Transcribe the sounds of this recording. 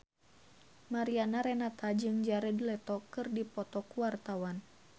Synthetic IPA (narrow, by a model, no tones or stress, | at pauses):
maɾianaɾɛnat̪ad͡ʒɨŋd͡ʒaɾɛdilɛt̪ɔkɨrdipɔt̪ɔkuwart̪awan